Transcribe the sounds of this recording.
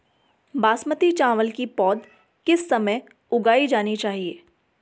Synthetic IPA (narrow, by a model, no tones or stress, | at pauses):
baːsmət̪it͡ʃãːʋəlkipɔːd̪ | kɪsːɐməj | ʊɡaːid͡ʒaːnit͡ʃaːɦieː